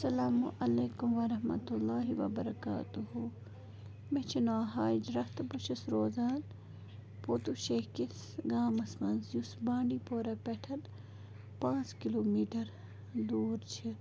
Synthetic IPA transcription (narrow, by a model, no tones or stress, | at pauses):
sɐlaːmuʔɐleːkumʋɐɾɐɦmɐ̰t̪ulːaːɦiʋɐ̰bɐɾɐka̰ːt̪uɦu | met͡ʃʰinaːɦaːd͡ʒɾɐht̪buʃʰɐsɾoːzaːn | poːt̪uʃeːkis | ɡaːmɐsmɐnzjusbãːɳɖipoːɾɐpɛʈʰɐn | pãːt͡skiloːmiːʈɐɾ | d̪uːɾt͡ʃʰi